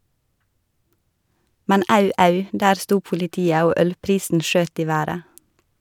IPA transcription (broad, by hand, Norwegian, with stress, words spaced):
ˈmɛn ˈɑʉ ˈɑʉ ˈdæːɾ ˈstuː pʊlɪˈtiːə ˈoː ˈœlˌpɾiːsn̩ ˈʃøːt ˈiː ˈʋæːɾə